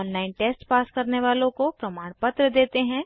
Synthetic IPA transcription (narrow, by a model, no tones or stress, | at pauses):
nlaːɪnʈeːsʈpaːskɐɾneʋaːlõkopɾɐmaːɽpɐt̪ɾəd̪eːt̪eɦɛ̃ː